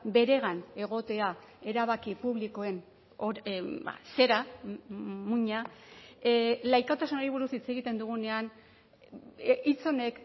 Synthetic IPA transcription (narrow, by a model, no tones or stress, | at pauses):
be̞ɾe̞ɣ̞ane̞ɣo̞t̪e̞ae̞ɾaβ̞akipuβliko̞e̞n | oba̰se̞ɾa | muɲa | lajkat̪asunoɾiβuɾusit͡se̞ɣit̪e̞nd̪uɣune̞an | it͡so̞ne̞k